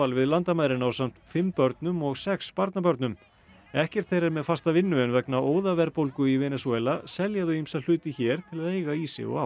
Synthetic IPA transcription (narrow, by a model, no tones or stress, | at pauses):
alvɪðlant̪amajɾɪnawsam̥t̪fɪmpœɾt̪nʏmɔɣsɛkspaɾt̪napœɾt̪nʏm | ɛhcɛɾ̥t̪θejɾɛɾmɛðfast̪avɪnːʏɛnvɛknaʔoːwðavɛɾpowlkʏivɛːnɛsuɛlasɛljaðʏimsaðl̥ʏːt̪ɪçɛːɾ̥t̪ʰɪlaðejɣaiːsɪ̰ɔ̰ɣa